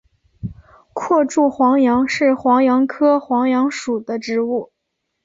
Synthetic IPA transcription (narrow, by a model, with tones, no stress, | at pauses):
kʰwɔ˥˧ʈ͡ʂu˥˩xwɑ˧˥ŋjɑ˧˥ŋʂɻ̩˥˩xwɑ˧˥ŋjɑ˧˥ŋkʰɤ˥xwɑ˧˥ŋjɑ˧˥ŋʂu˨˩d̪ə˦ʈ͡ʂɻ̩˧˥u˥˩